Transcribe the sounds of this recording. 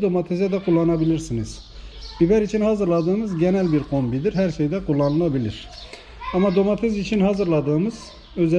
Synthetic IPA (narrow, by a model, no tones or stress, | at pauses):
d̪o̞mat̪ʰezɛd̪ɛkʰulˠːɑnabilʲiɾsiniz̥ | b̥ibæɾit͡ʃʰinhɑzɯɾlˠad̪ɯːmɯzɟenælʲbiɾkʰo̞mbid̪iɾɦæɾʃejd̪ɛkʰulˠːɑnɯlˠabilʲiɾ̥ | ɑmɑd̪o̞mat̪ʰezit͡ʃʰinɦɑzɯɾlˠɑd̪ɯːmɯz̥ | øz